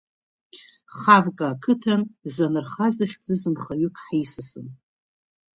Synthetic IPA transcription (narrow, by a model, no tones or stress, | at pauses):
χavkʼaːkʰɨtʰanzanɨrχazaχʲd͡zɨzɨnχaɥʏkʰʼħisɨsɨn